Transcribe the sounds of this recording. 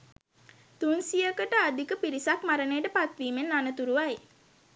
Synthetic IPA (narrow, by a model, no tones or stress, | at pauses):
t̪unsijəkəʈəad̪ikəpiɾisakmaɾənejəʈəpat̪ʋiːmenːanət̪uɾuʋaj